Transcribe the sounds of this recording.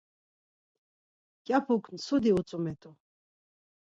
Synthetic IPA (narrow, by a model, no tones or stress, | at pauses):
kʼapʰukʰnsud̪iut͡sʼumɛt̪ʼu